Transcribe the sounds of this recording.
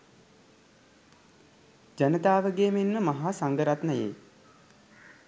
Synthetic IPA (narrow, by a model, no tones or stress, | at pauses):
d͡ʒənət̪aːʋəɡeːmenməmɐɦaːsaŋɡəɾat̪nəjḛː